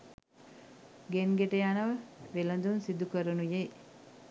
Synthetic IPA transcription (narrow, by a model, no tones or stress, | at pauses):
ɡenɡeʈəjanəʋəʋelənd̪unsid̪ukəɾənuje